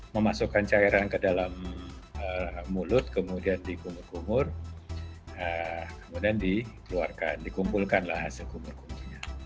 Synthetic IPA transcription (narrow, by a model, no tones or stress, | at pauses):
məmasukant͡ʃaiɾankədalam | əːulʊt̪̚kəmudiandikumʊrkumʊr | əkəmudiandikəluarkandikumpulkanlahɦasɪlkumʊrkunurɲa